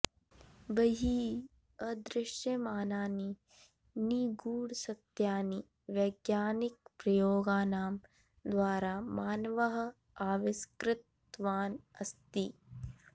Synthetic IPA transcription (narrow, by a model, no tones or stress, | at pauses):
bɐɦiː | ɐd̪ɾɪʃjɐmaːnaːni | niɡuːɽsɐt̪jaːni | ʋjɐjɡjaːnik̚pɾɐjoːɡaːnaːm | d̪ʋaːɾaːmaːnʋɐɦɐ̆ | aːʋiskɾɪt̪ | ʋaːnɐst̪i